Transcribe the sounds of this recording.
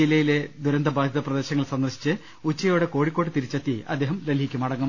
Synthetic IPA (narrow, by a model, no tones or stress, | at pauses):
ilːɐjile̞d̪uɾɐnd̪ɐbʱaːd̪ʱjɐðɐprɐd̪e̞ːɕɐŋːɐɭsɐnd̪ɐrɕi̥t͡ɕːɨ | ut͡ɕːɐjo̞ːɽe̞ko̞ːɻikʲːo̞ːʈːɨt̪iɾit͡ɕːɐt̪ːiɐɐ̰d̪ːeːɦɐmɾelɦikʲːumɐɽɐŋːɐm